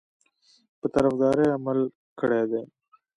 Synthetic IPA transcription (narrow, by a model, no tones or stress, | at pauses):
pət̪ɐɾəfd̪ɑːɾeɐməl | kʰɐɽeːd̪eː